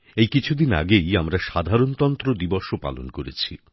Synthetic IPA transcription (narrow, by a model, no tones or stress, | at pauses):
ejkit͡ɕʰud̪ina̰ɡejamɾaʃad̪ʱaɾont̪ɔnt̪ɾod̪ibɔʃopa̰lo̰nkoɾḛt͡ɕʰḭ